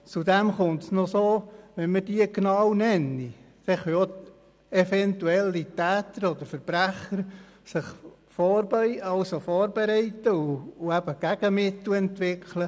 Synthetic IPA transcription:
t͡sud̪æmχʊntsnosoːʋɛnmədiəɡnɑːwnɛnːi | d̥ɛχœo | ɛfɛnt̪uɛlːitæːt̪əɾɔd̪əɾfəɾb̥ɾæχːəɾ | sɪχ | fɔːɾbœjɑwsofɔːɾbɛɾɛɪtəuːæb̥əɡ̥æɡ̥əmɪt̪lɛnt̪ʋɪkʰlə

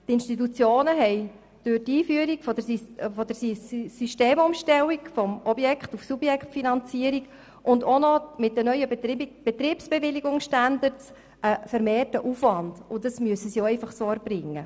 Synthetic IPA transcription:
t̪ɪnʃtitut͡sjoːnəɦɛɪj | d̥øtiːfyəɾiɡfɔdəfɔd̥əɾssyʃteːmʊmʃtɛlːikfɔmɔbjɛkχtufsub̥jɛkχtfinɑnt͡siəɾiɡ | ʔʊndɔnɔmɪt̚d̥ənœʏəb̥et̪ɾiːpsb̥eʋɪliɡʊŋsʃtɑndəɾts | əfəɾmeːrtəʔufʋɑnd̥ʊdɑsmyəsəsjoɛɪfɑχsoɛɾb̥ɾɪŋːə

